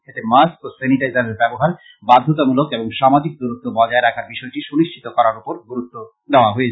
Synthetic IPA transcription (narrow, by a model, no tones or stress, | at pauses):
et̪emaskoseniʈajzaɾeɾbɛboɦaɾ | bad̪ʱːot̪amulokeboŋʃamad͡ʑik̚d̪uɾut̪ːobɔd͡ʑaeɾakʰaɾbiʃɔeʈiʃuniʃt͡ʃʰit̪okɔɾaɾupoɾɡuɾut̪ːo | d̪eoaɦoet͡ɕʰ